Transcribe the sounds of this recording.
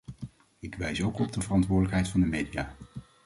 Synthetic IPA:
ɪkʋɛjsowkɔb̚dəvərɑntʋʊːdələkɦɛjtfɑndəmejdijaː

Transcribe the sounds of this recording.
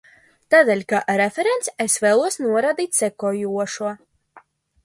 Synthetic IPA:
t̪aːd̪eːlʲkaʔɾefeɾent̪sesveːlˠuɔsnuɔɾad̪iːt̪ʲsɛkɔjuɔʃuɔ

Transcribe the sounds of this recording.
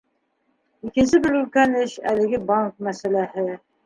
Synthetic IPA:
ikɘ̆nsɘbɘɾʉlkænɘɕæ̰lɘ̆ɡɘbɑŋk̚mæsælæhɘ

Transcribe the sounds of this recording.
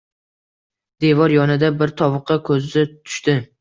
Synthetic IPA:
d̪evɒɾjɒnɪd̪abɪɾt̪ʰɒvɨqʰːɑkʰɵzɪzat̪ʰʊ̥ʃt̪ɪ

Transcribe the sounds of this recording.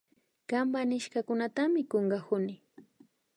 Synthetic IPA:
kambanɪʃkakʊnat̪amɪkoŋɢahʊnɪ

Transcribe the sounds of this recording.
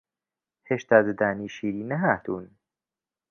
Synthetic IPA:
heʃt̪ad̪ed̪æːniːʃiːɾiːnæɦat̪ʰun

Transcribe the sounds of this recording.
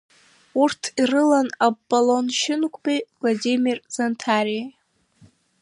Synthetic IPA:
urtʰirɨlanabːalonʃɪnkʷʼbijvladʲimirz̥antʰaɾija

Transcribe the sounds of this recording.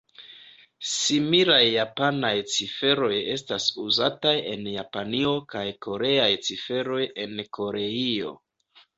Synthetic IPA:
similajːapanajt͡sife̞ɾo̞je̞̰s̬tasuzataje̞̰njapanio̞kajko̞ɾe̞ajt͡sife̞ɾo̞je̞nko̞ɾe̞io̞̰

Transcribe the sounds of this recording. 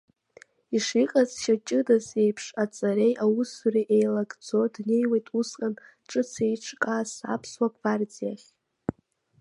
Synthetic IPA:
iʂiqʼazʃat͡ʃʼɪdaze̞jpʰʂat͡sʼaɾe̞jʔawusuriʔejlaɡd͡zo̞dne̞jwejtʼusqʼan | ʈ͡ʂʼɨt͡sʰe̞jʈ͡ʂʰkʼaːsa̰pʰswakʼvart͡sʼijaχʲ

